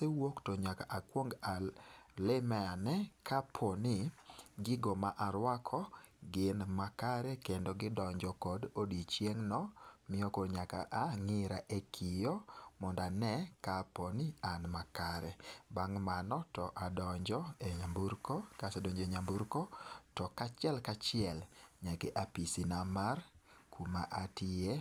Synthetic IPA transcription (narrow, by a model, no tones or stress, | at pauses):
sɛwoktoɲakaʔakwoŋɡalɛmɛanɛkʰapʰɔnɪɡɪɡomaʔaɾwakʰɔɡɪnmakaɾɛkendɔɡɪdɔɲd͡ʒɔkɔdodit͡ʃjeŋnɔmɪjɔkoɾɲaka̰ʔaŋɪɾaʔekʰɪjɔmɔndanɛkapɔnɪanmakaɾɛbaŋmanɔtɔʔadɔɲd͡ʒɔeɲambuɾkɔkasɛdoɲd͡ʒeɲambuɾkɔtɔkat͡ʃɪɛlkat͡ʃɪɛlɲakɛʔapisinamarkuma̰ʔatɪe